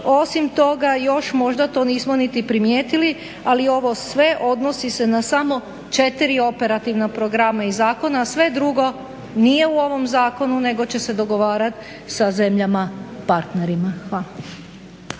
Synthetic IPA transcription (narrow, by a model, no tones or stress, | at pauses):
o̞simt̪o̞ɡajo̞ʃmo̞ʒd̪at̪o̞ːniːsmo̞nit̪ipɾimje̞ːt̪ili | alio̞ʋo̞sʋe̞ʔo̞d̪no̞sise̞nasamo̞ | t͡ʃe̞t̪iɾio̞pe̞ɾat̪iʋnapɾoɡɾamaizaːko̞naːsʋe̞d̪ɾuɡo̞ | nije̞uo̞ʋo̞mzaːko̞nune̞ɡo̞t͡ɕe̞se̞d̪o̞ɡo̞ʋaːɾat̪ | saze̞mʎamapaɾt̪ne̞ɾimaxʋala